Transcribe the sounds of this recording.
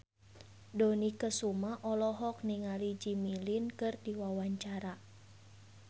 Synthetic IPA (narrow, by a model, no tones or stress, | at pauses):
donikəsumaʔɔlɔɦɔk̚niŋalid͡ʒimilinkɨrdiwawaɲt͡ʃaɾa